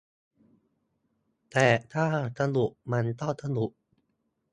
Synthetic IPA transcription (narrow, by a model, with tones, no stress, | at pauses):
t̪ɛː˨˩t̪ʰaː˥˩t̪ʰa˧nu˨˩ʔma˧˥nt̪ɔ˥˩t̪ʰa˧nu˨˩ʔ